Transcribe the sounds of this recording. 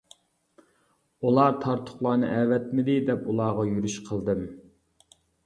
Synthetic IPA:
ulˠɑt̪ʰɑɾt̪ʰʊ̥χlˠɑːnɨ̰ʔɛwɛt̪mɪd̪ɪd̪ɛpulˠɑːʁɑjyɾyʃqʰəlˠd̪ɨm

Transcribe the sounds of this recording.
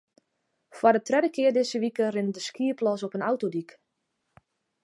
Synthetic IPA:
fwadətrɛdəkɪərdɪsəʋikərɪndəskiəplɔsɔpənawtodik

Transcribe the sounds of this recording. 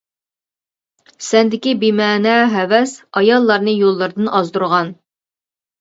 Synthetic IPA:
sɛnd̪ɪkʲibimæːnɛɦɛvɛsɑjɑlˠːɑɾnɨjolˠːɨɾd̪ɨnʔɑzd̪uɾʁɑn

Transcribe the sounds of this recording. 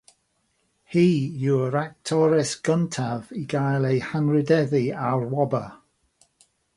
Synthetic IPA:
hiːjuɾak̚tʰɔɾɛsɡ̥əntʰaviɡajlˠejhanɹɪdɛðiawɹwɔbə

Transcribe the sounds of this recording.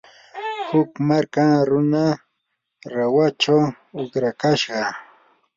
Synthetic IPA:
hʊkmaɾkaŋɾʊna | ɾawat͡ʃaw | ʊkɾakaʃɢɑ

